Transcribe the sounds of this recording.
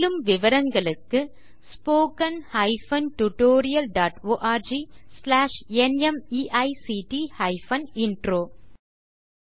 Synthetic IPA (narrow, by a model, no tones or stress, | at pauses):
lɯmʋɪʋɐɾɐŋɡɐɭɯkːɯ | spoːkɐnhɐɪfɐnʈʊʈoːɾɪjɐlɖaːʈoːʔaːɾd͡ʒislaːʂɛnɛmiːʔɐɪsiʈihɐɪfɐnɪɳɖɾoː